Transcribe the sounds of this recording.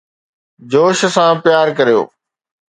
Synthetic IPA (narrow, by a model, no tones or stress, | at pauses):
d͡ʑoːʃ̆sãpɪjaːɾkɐɾijo̰ː